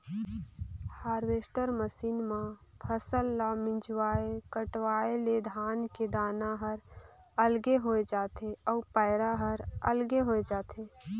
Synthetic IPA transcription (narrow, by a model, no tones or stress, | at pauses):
haːɾʋeːsʈəɾməsiːnmãpʰəsəlːamɪ̃d͡ʒwaːekəʈwaːeled̪ʱaːnked̪aːnaɦəɾ | əlɡeɦoːed͡ʒaːt̪eɔːpaɪɾaɦəɾə̰lɡeɦoːed͡ʒaːt̪ʰe